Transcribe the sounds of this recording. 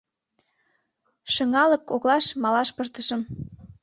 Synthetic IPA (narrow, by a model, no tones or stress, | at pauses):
ʃəŋɑlə̆koklɑʃmɑlɑʃpərt̪əʃəm